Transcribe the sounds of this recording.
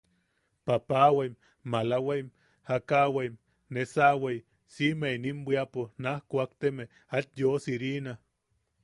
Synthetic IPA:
papawaim | malaweim | hakawaim | nesawej | simeinimbʷiaponahkʷoakt̪eme | at̪josiɾina

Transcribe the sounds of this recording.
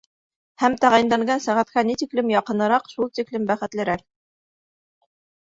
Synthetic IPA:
hæmt̪æʁæj̆nd̪ɑŋɡɑnsæʁæt̪kænit̪iklɘmjɑqɤ̆nɤ̆ɾɑqʃulˠt̪iklɘmbæχɘ̆t̪lɘ̆ɾæk̚

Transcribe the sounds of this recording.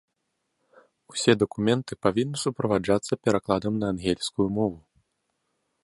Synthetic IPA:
usʲɛd̪ɐkumʲɛnt̪ɨpavʲinːɨsupɾɐvad͡ʐat̪sːɐpʲɛɾaklˠad̪ɐmnɐːnɣʲɛlʲsʲkujumɔvu

